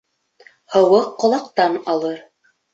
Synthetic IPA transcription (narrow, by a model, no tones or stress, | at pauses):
hɤ̆wɤqːŏlˠɑqt̪ɑnɑlˠɤɾ